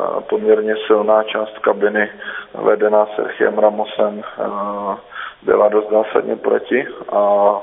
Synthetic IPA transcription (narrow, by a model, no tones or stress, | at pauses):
po̞mɲɛɾɲɛsɪlnaːt͡ʃaːst̪kabɪnɪvɛ̰dɛnaːsɛ̰ɾxɪɛ̰mɾamosɛm | bɪ̰ladost̪zaːsa̰dɲɛpɾo̞̰cɪʔa